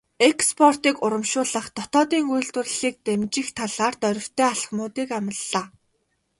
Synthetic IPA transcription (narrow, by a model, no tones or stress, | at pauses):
ekspʰɔr̥t̪iːkʊɾə̆mʃʊːɮə̆χt̪ɔt̪ɔːt̪iːŋujɮt̪ʊ̆r̆ɮiːk̚t̪emt͡ɕɪ̆xt̪ʰaɮaːrt̪œɾʲɪ̆w̥t̪ʰeːaɮχmʊːt̪iːkamə̆ɮːaː